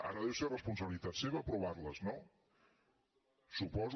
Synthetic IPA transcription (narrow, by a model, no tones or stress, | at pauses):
a̰ɾəðɛwserəspunsəβilit̪at̪seβəːpɾuβarləzno | supɔz